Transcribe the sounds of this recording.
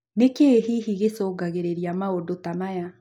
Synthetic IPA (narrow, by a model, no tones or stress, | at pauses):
nekeɦiɦiɣesoːɡaɣeɾeɾiamaodotamaja